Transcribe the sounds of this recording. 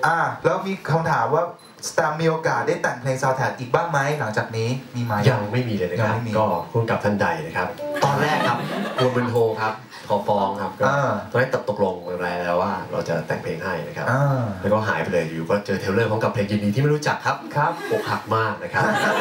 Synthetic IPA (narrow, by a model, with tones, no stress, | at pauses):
ʔa˧˩lɛː˦˥wmiː˧kʰa˧mt̪ʰaː˩˦mwaː˥˩ | st̪aː˧mːiː˧ʔoː˧kaː˨˩t̪̚daː˥˩jt̪ɛ˨˩ŋpʰleː˧ŋsaː˧˩wt̪ʰɛː˨˩˦t̪̚ʔiː˨˩k̚baː˥˩ŋma˦˥jla˩˦ŋt͡ɕaː˨˩k̚niː˦˥miː˧maː˨˦ja˧ŋma˥˩jmiː˧lɤː˧jna˦a˧ŋaa˥˩jmi˧˥kɔː˥˩kʰu˥˩ka˨˩p̚t̪ʰa˥˩nda˧jna˦˥kʰa˦˥p̚t̪ɔː˧nɾɛː˥˩kʰːa˦˥p̚ku˧mbɯ˧nt̪ʰoː˧kʰa˦˥p̚ | kʰɔː˨˩˦fɔː˧ŋkʰa˦˥p̚kɔːaː˥˧˩t̪ɔː˧nː˧˦˥t̪a˨˩t̪̚o˨˩lo˧ŋmɯː˧pʰlɛː˧lɛː˦˥waː˥˩ɾa̰˧wt͡ɕa̰˨˩t̪ɛ̰˨˩ŋpʰleː˧ŋha˥˩jna˦˥kʰa̰˦˥ʔaː˧ɛː˦˥wkɔː˥˩ɦa̰ː˩˦jpe˧lɤː˧˩juː˨˩kɔː˥˩t͡ɕɤː˧t̪ʰe˦˥wlɤː˥˩pʰɔ˦ŋka˨˩pʰleː˧ŋjiː˧diː˧t̪ʰiː˥˩ma˥˩ɾu˦˥t͡ɕa˨˩kʰːa˦˥p̚kʰa˦˥p̚ho˨˩k̚ha˨˩k̚maː˥˩k̚na˦˥kʰa˦˥a˦˥